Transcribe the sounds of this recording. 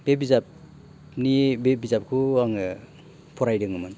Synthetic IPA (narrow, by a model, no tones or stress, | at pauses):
b̥ebizap | nibebizap̚kʰuaŋɯ | pʰɔɾajdɯŋɯmɯn